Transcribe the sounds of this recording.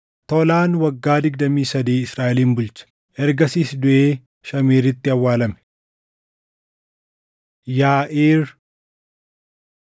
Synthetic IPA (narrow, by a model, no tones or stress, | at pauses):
t̪ɔlaːnwɐɡːaːd̪ɪɡ̚d̪ɐmiːsɐd̪iːɪsɾaːʔɛliːmbʊlt͡ʃɐ̥ | ʔɛɾɡɐsiːsd̪ʊʔeː | ʃɐmeːɾɪt̪ːɪɐwːaːlɐmɛ̥ | jaːʔeːɾ